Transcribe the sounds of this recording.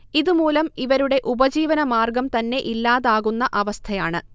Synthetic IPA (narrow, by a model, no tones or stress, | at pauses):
iðumuːlɐmiʋɐɾuɽe̞ʔubɐd͡ʑiːʋɐnɐmaːrɡɐmt̪ɐnːe̞ʔilːaːðaːɣunːɐʔɐʋɐst̪ʰɐjaːɳɨ